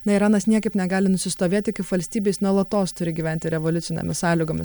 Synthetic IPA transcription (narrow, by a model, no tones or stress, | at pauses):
nɐɪɾɑːnɐsnʲiɛkɐɪpnʲɛɡɑːlʲɪnʊsʲɪst̪oːʋʲeːt̪ʲɪkɐɪpʋɐlʲsʲt̪ʲiːbʲeːsnuɔlˠɐt̪oːst̪ʊɾʲɪɡʲiːʋʲæˑnʲt̪ʲɪɾʲɛʋolʲʊt̪ʲɪnʲɛ̰mʲɪssɑːlʲɪɡoːmʲɪs